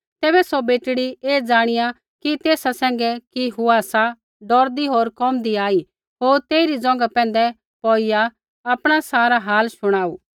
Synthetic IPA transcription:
t̪ɛːbɛsobeːʈɽieːd͡zaːɽ̃ɪja | kit̪eːsasɛ̃ːŋ̆ɡɛkiɦuaːsa | ɖɔːɾd̪iɦoːɾkɔmd̪iaːi | ɦoːɾt̪eːɪɾid͡zɔ̃ːŋɡapɛ̃ːnd̪ɛ | pɔːɪja | ɐpɽ̃asaːɾaɦaːlʃʊɽ̃aːuː

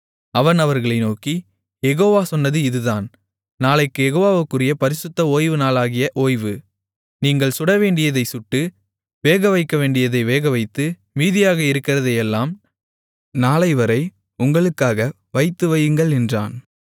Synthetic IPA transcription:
ɐʋɐnɐʋɐɾɣɐɭɐɪnoːki | jɛɣoːʋaːsɔnːɐðɯɪðɯðaːn | naːlɐɪkːɯjɛɣoːʋaːʋɯkːɯrɪjɐpɐɾɪsʊt̪ːɐoːjʋɯnaːlaːɣɪjɐʔoːjʋɯ | niːŋɡɐɭsʊɽɐʋeːɳɖɪjɐðɐɪsʊʈːɯ | ʋeːɣɐʋɐɪkːɐʋeːɳɖɪjɐðɐɪʋeːɣɐʋɐɪt̪ːɯ | miːðɪjaːɣɐɪɾɯkːɪrɐðɐɪɛlːaːm | naːlɐɪʋɐɾɐɪ | ʊŋɡɐɭɯkːaːɣɐ | ʋɐɪt̪ːɯʋɐjɯŋɡɐɭɛndra̰ːn

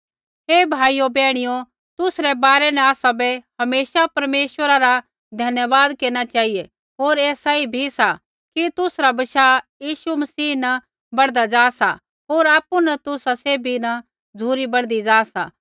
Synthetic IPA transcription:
ɦeːbʱaːijobɛːɽ̃ijo | t̪ʊsɾɛbaːɾɛnɛ̃aːsabɛhɐmeːʃapɐɾmeːʃwəɾaɾa | d̪ʱɐnjəʋaːd̪keːñat͡ʃaːɦije | ɦoːɾeːsaibʱisa | kit̪ʊsɾabɐʃaːjiːʃumɐsiːna | bɐɽd̪ad͡ʒaːsa̰ | ɦoːɾaːpːunɐt̪ʊsaseːbʱinɐ | d͡zʱuːɾibɐɽd̪id͡ʒaːsa̰

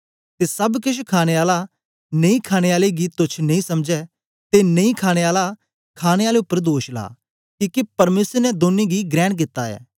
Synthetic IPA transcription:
t̪eːsɐbkɪt͡ʃʰkʰaːɽ̃eaːla | neĩkʰaːɽ̃eaːleɡit̪ʊt͡ʃʰnɐ̃ĩsɐmd͡ʒɛ | t̪enɐ̃ĩkʰaːɽ̃eaːla | kʰaːɽ̃eaːleʊpːəɾd̪oːʃla̰ː | kiːkepɐɾmeːsəɾnɛd̪oːnːeɡiɡɾɛːɽk̬ɪt̪ːaɛ̰ː

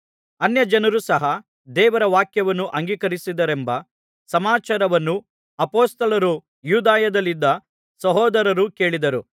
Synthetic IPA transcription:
ɐnjɐd͡ʒɐnɐɾusɐɦɐ | d̪ɛːʋɐɾɐʋaːkjɐʋɐnːuʔɐŋɡiːkɐɾisid̪ɐɾembɐ | sɐmaːt͡ʃaːɾɐʋɐnːu | ɐpoːst̪ɐlɐɾu | juːd̪aːjɐd̪ɐlːid̪ːɐ | sɐɦɔːd̪ɐɾɐɾuke̞ːɭid̪ɐɾu

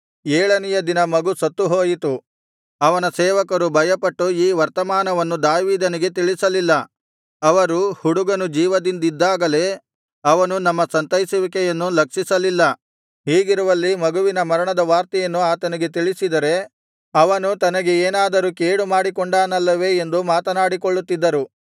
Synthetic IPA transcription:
eːɭɐnɛjɐd̪inɐmɐɡusɐt̪ːuɦoːjit̪u | ɐʋɐnɐsɛːʋɐkɐɾubʱɐjɐpɐʈːuiːʋɐɾt̪ɐmaːnɐʋɐnːud̪aːʋiːd̪ɐniɡe̞t̪̬iɭisɐlilːɐ | ɐʋɐɾuhuɽuɡɐnud͡ʒiːʋɐd̪ind̪id̪ːaːɡɐle̞ː | ɐʋɐnunɐmːɐsɐnt̪ɐjisiʋikɛjɐnːulɐkʂisɐlilːɐ | ɦiːɡiɾuʋɐlːimɐɡuʋinɐmɐɾɐɳɐd̪ɐʋaːɾt̪ɐjɐnːuaːt̪ɐniɡe̞t̪̬iɭisid̪ɐɾe̞ | ɐʋɐnut̪ɐnɐɡe̞eːnaːd̪ɐɾukeːɽumaːɽikoɳɖaːnɐlːɐʋe̞ːnd̪umaːt̪ɐnaːɽikoɭːut̪ːid̪ːɐɾu

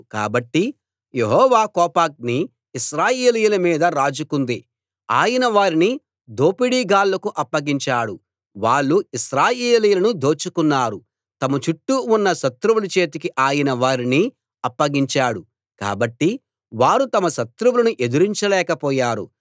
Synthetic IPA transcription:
ka̰ːbɐʈːi | jeɦɔːʋaːkɔːpaːk̚niː | ʃɾaːjeːlijulɐmiːd̪ɐɾaːd͡ʒukund̪i | aːjɐnɐʋaːɾini | d̪oːpiɽiːɡaːlːɐkuʔɐpːɐɡiɲt͡ʃaːɽu | ʋaːɭːuiʃɾaːjeːliːjulɐnud̪o̞ːt͡ʃukunːaːɾu | t̪ɐmɐt͡ʃuʈːuunːɐʃɐt̪ɾuʋulɐt͡ʃe̞ːt̪̬ikiʔaːjɐnɐʋaːɾini | ɐpːɐɡiɲt͡ʃaːɽu | ka̰ːbɐʈːi | ʋaːɾut̪ɐmɐʃɐt̪ɾuwulɐnuʔe̞d̪uɾiɲt͡ʃɐlɛːkɐpɔːjaːɾṵ

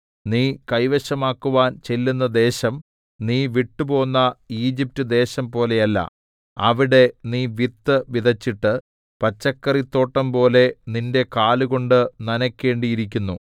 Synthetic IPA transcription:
niːkɐjʋɐɕɐmaːkːuʋaːnt͡ɕe̞lːunːɐd̪e̞ːɕɐm | niːʋiʈːupo̞ːnːɐiːd͡ʑip̚tːɨd̪e̞ːɕɐmpo̞ːle̞jɐlːɐ̰ | ɐʋiɽe̞niːʋit̪ːɨʋid̪ɐt͡ɕːiʈːɨ | pɐt͡ɕːɐkːɐrit̪ːo̞ːʈːɐmpo̞ːle̞ninde̞kaːluɣo̞ɳɖɨnɐnɐkʲːe̞ːɳɖijiɾik̬ʲːunːu

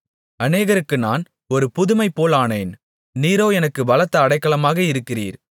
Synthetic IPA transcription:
ɐneːɣɐɾɯkːɯnaːn | ɔɾɯpʊðɯmɐɪpːoːlaːneːn | niːɾoːɛnɐkːɯbɐlɐt̪ːɐːɽɐɪkːɐɭɐmaːɣɐɪɾɯkːɪrḭːɾ

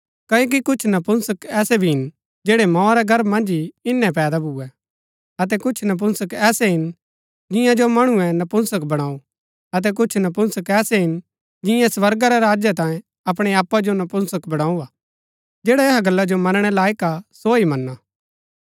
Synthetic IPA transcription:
kɐjoːk̬ikʊt͡ʃʰnɐpʊnsəkɛːsɛbʱiɦɪn | d͡ʒeːɽɛmãːɾɛɡʱɐɾbmɐ̃nd͡ʒiɪnːɛpɛːd̪abʱʊɛ | ɐt̪̬ɛkʊt͡ʃʰnɐp̬ʊnsəkɛːsɛɦɪn | d͡ʒɪ̃jãd͡ʒomɐɽ̃uɛnɐpʊnsəkbɐɽ̃aːu | ɐt̪̬ɛk̬ʊt͡ʃʰnɐp̬ʊnsəkɛːsɛɦɪn | d͡ʒɪ̃jãsʋɐɾɡaɾɛɾaːd͡ʒjat̪ãːẽ | ɐpɽ̃eaːpːad͡ʒonɐpʊnsəkbɐɽ̃ãːuaː | d͡ʒɛːɽaeɦaɡɐlːad͡ʒomɐnɽ̃ɛlaːikasoːimɐnːaː

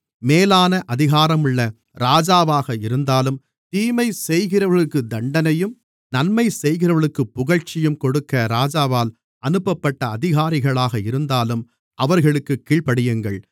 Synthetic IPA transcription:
meːlaːnɐʔɐðɪɣaːɾɐmɯɭːɐ | ɾaːd͡ʒaːʋaːɣɐɪɾɯnd̪aːlɯm | t̪iːmɐɪsɛjɣɪɾɐʋɐɭɯkːɯd̪ɐɳɖɐnɐjɯm | nɐnmɐɪsɛjɣɪɾɐʋɐɭɯkːɯpːʊɣɐɻt͡ʃːɪjɯmkɔɽɯkːɐɾaːd͡ʒaːʋaːl | ɐnɯpːɐpːɐʈːɐːðɪɣaːɾɪɣɐɭaːɣɐɪɾɯnd̪aːlɯm | ʔɐʋɐɾɣɐɭɯkːɯkːiːɭpɐɽɪjɯŋɡɐɭ

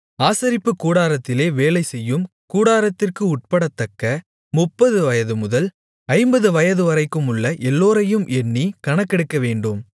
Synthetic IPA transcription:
aːsɐɾɪpːɯkuːɽaːɾɐt̪ːɪleːʋeːlɐɪsɛjːɯm | kuːɽaːɾɐt̪ːɪrkɯʊʈ̚pɐɽɐt̪ːɐkːɐ | mʊpːɐðɯʋɐjɐðɯmʊðɐl | ɐɪmbɐðɯʋɐjɐðɯʋɐɾɐɪkːɯmʊɭːɐʔɛlːoːɾɐjɯmʔɛnːikɐɳɐkːɛɽɯkːɐʋeːɳɖɯm

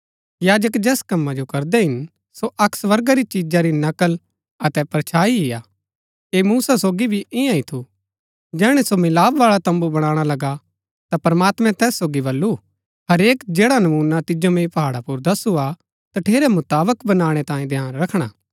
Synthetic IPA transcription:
jaːd͡ʒəkd͡ʒɛːskɐmːad͡ʒokɐɾd̪ɛɦɪn | soʔɐksʋɐɾɡaɾit͡ʃid͡ʒaɾinɐkəl | ɐt̪ɛpɾɐt͡ʃʰaːiɦɪjaː | eːmuːsasoːɡibʱiʔɪjãĩt̪ʰu | d͡ʒɛːɽ̃ɛsomɪlaːʋʋaːɭat̪ɐ̃mbubɐɽ̃ãːɽ̃alɐɡa | t̪apɾɐmaːt̪mɛ̃t̪ɛːsːoːɡibɐlːu | ɦɐɾeːkd͡ʒeːɽanɐmuːnat̪ɪd͡ʒomẽĩpɐɦaːɽapuɾd̪ɐsua | t̪ɐʈʰeːɾɛmʊt̪aːbəkbɐnaːɽ̃ɛt̪ãːĩd̪ʱjaːnɾɐkʰɽ̃aː

